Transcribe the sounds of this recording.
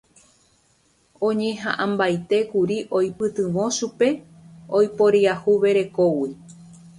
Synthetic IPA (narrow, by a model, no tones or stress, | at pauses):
õ̞ɲẽ̞ɦã̰ʔãmbajt̪e̞kuɾiʔojpɨt̪ɨʋõ̞ʃupe̞ | ojpoɾiahuʋe̞ɾe̞kowi